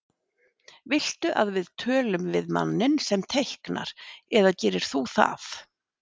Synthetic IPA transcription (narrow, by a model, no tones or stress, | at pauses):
vɪl̥t̪ʏʔaðvɪðt̪ʰœːlʏmvɪðma̰nːɪnsɛmt̪ʰehkna̰ɾ̥ɛðacɛːɾɪɾ̥θuθa̰f